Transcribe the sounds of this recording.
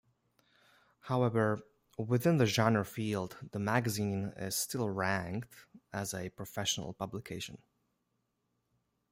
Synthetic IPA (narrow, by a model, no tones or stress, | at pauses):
haʊɛvə˞ | wɪθɪ̃nðɨʒɑ̃nə˞filˠd̪ðəmæɡɨzĩnɪ̰z̥stɪlˠɹæ̃ŋktəzɨpʰɹ̥ɨfɛʃən̩ə̰l̩ˠpʌblɨkʰeɪʃɨ̃n